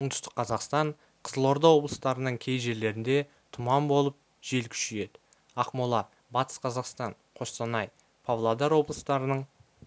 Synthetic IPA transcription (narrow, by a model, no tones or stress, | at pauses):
əɴd̪ʏ̥st̪ə̥qʰːɑzɑqst̪ɑɴ | qʰəzəlˠo̞ɾd̪ɑwo̞blˠəst̪ɑɾənəɴkʲʰe̞jʒe̞ɾle̞ɾɪnd̪e̞ | t̪ʰʊmɑmbo̞lˠəp̚ | ʒ̥e̞lkʲʰʏ̥ʃeje̞d̪ɪ | ɑqmolˠɑ | bɑt̪ə̥sqʰɑzɑqst̪ɑɴ | qʰo̞st̪ɑnɑj | pʰavlˠad̪ɑɾwo̞blˠəst̪ɑɾənəɴ